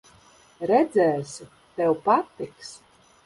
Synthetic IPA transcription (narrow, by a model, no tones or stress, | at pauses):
ɾɛd̪zɛːs | t̪ɛwpat̪ːiks